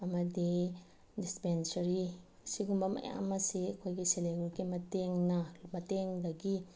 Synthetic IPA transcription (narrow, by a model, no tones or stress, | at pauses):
ɐmɐdi | dispensɐɾi | siɡumbɐmʔɐ̰ja̰mɐsikʰojɡiseleɡuɾɡimɐteŋnɐmɐteŋdɐɡi